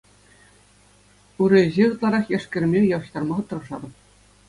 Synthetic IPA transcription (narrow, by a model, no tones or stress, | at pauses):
uɾʲɘ̆ʑeʁɯt̪lˠɑɾɑχjæʂkʲɘ̆rʲɘ̆mʲejɑwɤ̆ɕt̪ɑrmɑχɤ̆t̪ːɤ̆rɤ̆ʐɑ̰d̪ɤ̆p